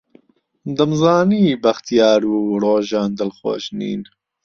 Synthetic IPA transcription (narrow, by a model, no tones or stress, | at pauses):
d̪ɐmzɑːniːbɐxt̪ijɑːɾuːɾoːʒɑːnd̪əlxo̰ːʃnḭːn